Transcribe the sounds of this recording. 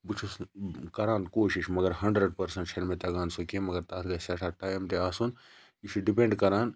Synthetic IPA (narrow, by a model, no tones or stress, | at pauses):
but͡ʃʰuskɐɾaːnkoːʃiʃmɐɡɐɾɦɐɳɖɾeɖ̚pɐɾsɐɳʈt͡ʃʰelmet̪ɐɡaːnsokẽmɐɡɐɾt̪aːt̪ɡɐsɐʈʰaʈaːjmt̪eaːsun | iʃʰiɖipẽɳɖkɐɾaːn